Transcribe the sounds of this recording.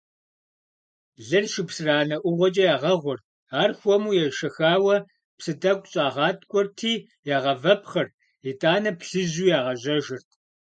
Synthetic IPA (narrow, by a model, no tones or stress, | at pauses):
ɮɨrʃɪpsɨraːnɐʔʷʊʁʷɔt͡ʃʼɐjaːʁɐʁʷɔrt̚ʰ | aːrxʷɔmuːjɛʃɐxaːwɐ | psɨdɐkʷʼɕʼaːʁɑːtʰʼkʷʼɔrtʰiː | jaːʁɐvɐpχɐr | jitʼaːnɐpʰɬɨʑuːjaːʁɐʑɐʒɪrtʰ